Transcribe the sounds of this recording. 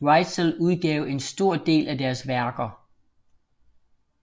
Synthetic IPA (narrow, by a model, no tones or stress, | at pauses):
ʁɑɪ̥səluð̞ˠɡ̥ɛʊ̰e̝nsd̥o̝ɐ̰d̥e̝̰ːlʔæd̥æɐsʋæɐɡ̥ɐ